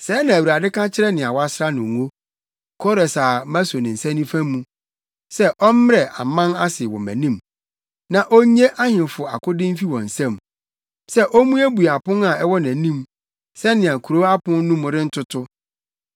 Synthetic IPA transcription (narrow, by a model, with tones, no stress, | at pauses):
sɛ˨˦nã˨æ˨wa˨dɪ˦kã˦t͡ɕʰɪ˦ɾɛ˦nɪ̃˨a˨wa˦sɾa˦nʊ̃˨ŋo˦ | kʰɔ˦ɾɛ˨sa˨mæ̃˦so˨nɪ̃˨n̩˨sæ̃˦nĩ˦fæ̃˦mũ˦ | sɛ˦ʔɔ˦m˦m˦ɾɛ˨ʔa˨mã˦na˦sɪ˨wɔ̰̃˨mæ̰̃˨nĩ˦˨m | nã˨ʔɔ˦ɲe˦ʔa˦hɪ̃˨fʊ˨a̰˨kʊ˦dɪ̃˦m̩˦fi˦wɔ̃˨n̩˨sæ̃˦m | sɛ˦ʔɔ˦mũ˦æ˦bu˨a˨pʊ̃˦na˨ɛ˦wɔ˦næ̃˨˦nĩ˦m | sɛ˦nɪ̃˨ã˨kʰu˨ɾo˦a˦pʊ̃˦n˦nũ˦m˨ɾɪ̃˦n̩˦tʰʊ˦tʰʊ˦